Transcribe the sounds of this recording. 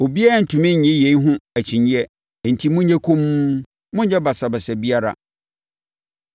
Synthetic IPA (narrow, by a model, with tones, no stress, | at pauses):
o˨bi˦ɛ˦n̩˨tʰʊ̃˨mɪ̃˦˨ɲɛ̃˦je˨i˦ɦʊ̃˦æ˨t͡ɕʰĩ˨ɲĩ˦ɛ˦˨ | n̩˨tʰi˦mʊ̃˦ɲɛ̃˦kʰõ˦mu˦ | mʊ̃˦ɲ˦ɲɛ˦ba˨sa˨bɛ˨sɛ˨bi˦a˦ɾa̰˨